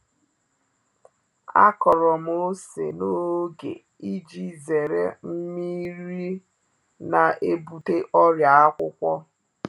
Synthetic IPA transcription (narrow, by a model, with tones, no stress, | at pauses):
a̰˦kɔ˨ɾɔ˨m̩˦o˦sḛ˨no˦ɡḛ˨ | i˦d͡ʒi˦ze˨ɾe˦m̩˦mi˦ɾi˦ | na˨ʔe˦bu˦te˦ʔɔ˦ɾja˨a˦kʷʊ˦kʷɔ˦